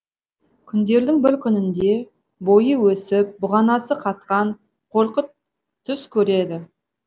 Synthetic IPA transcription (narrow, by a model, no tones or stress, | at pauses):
kʲʰʏnd̪e̞ɾd̪ɪŋbɪɾkʲʰʏnɪnd̪e̞ | bojəwɵsɪp̚bʊʁɑnɑsəqʰɑt̪̚qɑɴ | qʰo̞ɾqət̪ʰː | ʏskʲʰɵɾe̞d̪ɪ